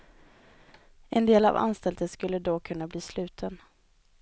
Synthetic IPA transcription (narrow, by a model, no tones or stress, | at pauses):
ɛnd̪eːla̰va̰nst̪ɛld̪əskɵlːəd̪ɔkʰɵnːabliːslʉ̟ːt̪ʰən